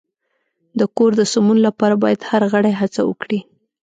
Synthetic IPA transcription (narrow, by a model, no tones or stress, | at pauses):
d̪əkoɾd̪əsʊmunlapɑɾabɑjad̪haɾɣəɽajɦat͡sa̰wə̰kɽi